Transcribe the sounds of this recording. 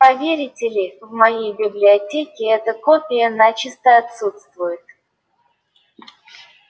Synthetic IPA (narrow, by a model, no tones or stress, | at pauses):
pɐvʲeɾʲɪtʲɪlʲɪvmɐjejbʲɪblʲɪɐtʲekʲɪɛt̪əkopʲɪjənat͡ɕɪst̪əɐt̪sut̪st̪vʊjɪt̪